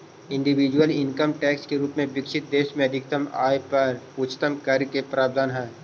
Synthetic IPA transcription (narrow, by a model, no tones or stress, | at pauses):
ɪ̃ɳɖɪʋid͡ʒwəlɪ̃ŋkəmʈɛːkskeɾuːpmẽʋɪkʃɪt̪̚d̪eːʃmẽɐd̪ʱɪk̚t̪əma̰ːjpɐɾʊt͡ʃːt̪əmkɐɾkepɾaːb̚d̪ʱaːnɦɛː